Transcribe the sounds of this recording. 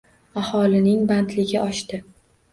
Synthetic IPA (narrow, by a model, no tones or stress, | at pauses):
ahɒlɪnɪŋbant̪lɪɡʲɪʔɒʃt̪ɪ